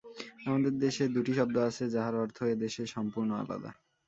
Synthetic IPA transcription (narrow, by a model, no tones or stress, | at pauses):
amad̪eɾd̪eʃed̪uʈiʃɔb̚d̪oat͡ɕʰed͡ʑaɦaɾɔɾt̪ʰoed̪eʃeɾʃɔmpuɾnoa̰la̰d̪a̰